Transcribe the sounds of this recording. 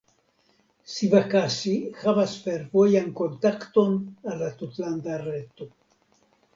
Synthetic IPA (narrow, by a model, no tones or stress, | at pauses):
sivakasihavasfe̞ɾvo̞janko̞nt̪akt̪o̞nalːat̪ut̪land̪aɾet̪o